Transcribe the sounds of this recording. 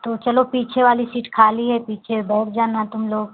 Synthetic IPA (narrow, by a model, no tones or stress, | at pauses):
t̪oːt͡ʃɐlopiːt͡ʃʰeʋaːlisiːʈkʰaːliɦɛpiːt͡ʃʰebɛːʈd͡ʒaːnat̪ʊmloːɡ